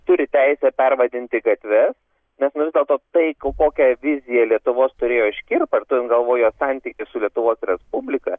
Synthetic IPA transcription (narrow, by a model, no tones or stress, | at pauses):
t̪ʊɾʲɪt̪ʲɛɪsʲɛpʲɛrʋɐd̪ʲɪnʲt̪ʲɪɡɐt̪ʲʋʲɛs | nʲɛsnʊʋʲɪzdʲɛlˠt̪oːt̪ɐɪkokoːkʲɛʋʲɪzʲɪjɛlʲiɛt̪ʊʋoːst̪ʊɾʲeːjoːɪʃʲkʲɪrpɐrt̪ʊɪnɡɐlˠʋoːjoːsɑnʲt̪ʲikʲɪsʊlʲiɛt̪ʊʋoːsɾʲɛspʊbʲlʲɪkɐ